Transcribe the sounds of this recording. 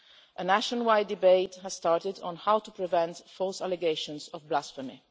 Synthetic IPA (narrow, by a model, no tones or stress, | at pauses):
ʔənæʃɔ̃nwajdɪbeɪthəz̥stɑɹtɪdɔ̃n̩hawtupɹivɛ̃ntfɔlsalɛɡeɪʃɔ̃nsɔvblasfəmḭ